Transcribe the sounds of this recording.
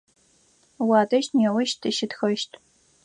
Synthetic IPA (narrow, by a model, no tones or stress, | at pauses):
wɑːdɐʃtnɛwɐʃtʰɨʃɪtxɐʃtʰ